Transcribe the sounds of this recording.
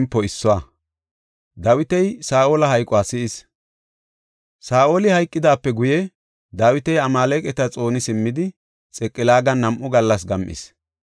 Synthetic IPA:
mpːɔɪsːɔwa | d̪ɐwɪt̪ɛjsaːʔoːlɐhɐjkʼːwaːsɪʔɪs | saːʔoːlɪhɐjkʼːɪd̪aːpːɛɡʊjɛ | d̪ɐwɪt̪ɛjɐmaːlɛkʼɛt̪ɐt͡sʼo̞ːnɪsɪmːɪd̪ɪ | t͡sʼɛkʼːɪlaːɡɐnːɐmʔʊɡɐlːɐs̬ɡɐmʔɪ̰s

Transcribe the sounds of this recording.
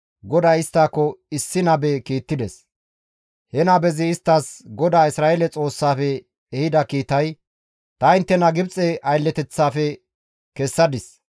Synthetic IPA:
ɡɔd̪aːjɪst̪ːaːkːɔɪsːɪnɐbɛkiːt̪ːɪd̪ɛs | hɛnɐbɛzɪːst̪ːasɡɔd̪aːɪsɾaːelɛt͡sʼo̞ːsːaːfɛː | hɪd̪ɐkiːt̪ɐj | t̪ɐɪnt̪ːɛnɐɡɪbt͡sʼɛʔɐjlːɛt̪ɛt͡sːaːfɛ | kɛsːɐd̪ɪs

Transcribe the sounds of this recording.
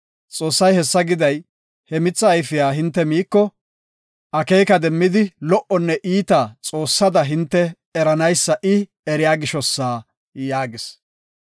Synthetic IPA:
t͡sʼoːsːɐjhɛsːɐɡɪd̪ɐj | hɛmɪt͡sːɐːjfɪjaːɦɪnt̪ːɛmiːkːɔ | ʔɐkeːjkɐd̪ɛmːɪd̪ɪlɔʔɔnːɛʔiːt̪at͡sʼo̞ːsːɐd̪ɐɦɪnt̪ːɛ | ɛɾɐnɐjsːɐʔɪ | ɛɾɪjaːɡɪʃɔsːaː | jaːɡɪs

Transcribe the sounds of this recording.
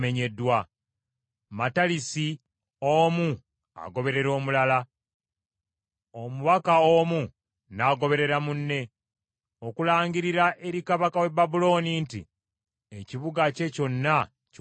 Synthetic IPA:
me̞ɲe̞dːwa | matalisi | oːmu | a̰ɡo̞βe̞ɾe̞ɾo̞ːmulala | omuβakaoːmu | naːɡo̞βe̞ɾe̞ɾamunːe̞ | o̞kulaːɲɡiɾiɾaʔe̞ɾikaβakawe̞babulo̞ːnintḭ | eciβuɡace̞co̞nːa | c

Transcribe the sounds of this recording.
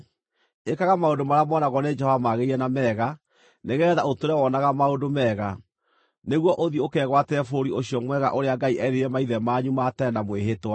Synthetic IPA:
ekaɣamaodomaɾamɔnaɣɔned͡ʒɛhɔvamaɣeiɛnamɛːɣa | neɣɛːðaotoɾɛwɔnaɣamaodomɛːɣa | neɣwɔʔoðiokɛɣwatɛfoɾioɕiɔmwɛɣa̰ʔoɾeaɡaiʔɛɾeɾɛmaiðɛmaɲumatɛnamweɦetwa

